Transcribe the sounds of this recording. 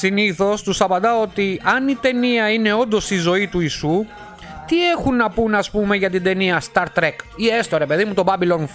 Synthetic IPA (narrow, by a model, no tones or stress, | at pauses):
siniθo̞st̪usɐpɐnd̪ɐo̞t̪iɐnit̪e̞niɐine̞o̞nd̪o̞sizo̞it̪uisu | t̪ie̞xunːɐpunɐspume̞ʝɐt̪̬id̪e̞niɐst̪ɐɾt̪ɾekiest̪oɾe̞pe̞ðimut̪o̞bɐbilo̞n